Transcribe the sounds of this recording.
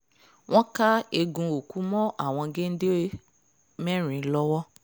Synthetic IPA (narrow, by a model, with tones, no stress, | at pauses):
w̃ɔ̃˦ka˦e˧ɡũ˧o˨ku˨˦mɔ̃˦ʔa˦˨w̃ɔ̃˧ɡe˦n̩˦de˦e˦ | mɛ̃˦ɾ̃ĩ˨˦lɔ˧wɔ˦